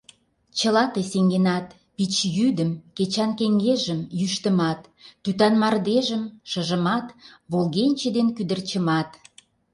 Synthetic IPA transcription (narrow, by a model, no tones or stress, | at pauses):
t͡ɕəlɑt̪eseŋɡenɑt̪ | pit͡ɕjyd̪əmket͡ɕɑnkeŋɡeʒəmjyʃt̪ə̆mɑt̪ːyt̪ɑnmɑrd̪eʒəmʃə̆ʒə̆mɑt̪βolɣenʲt͡ɕed̪enkyd̪ə̆rt͡ɕə̆mɑt̪